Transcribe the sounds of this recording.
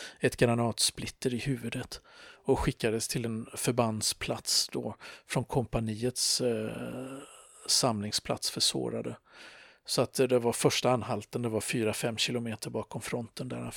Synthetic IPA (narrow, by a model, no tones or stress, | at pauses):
ɛt̪ɡaɾanɑːt̪splɪt̪ːəɾɪhʉ̟ːvɵd̪ət̪ɔɧɪkːad̪əst̪ʰɪlɛnfœɾband̪spʰlat̪sd̪ɔfɾɔnkʰɔmpaniːət̪s | amlɪŋspʰla̰t̪sfœʂvo̰ːɾad̪ə | sɔat̪d̪ɛvaɾfœʂʈaanɦalt̪ənd̪ɛvaɾfyːɾafɛmːɕɪlʊmeːt̪əɾbɑːkɔmfɾɔnt̪ənd̪æ̰ɾa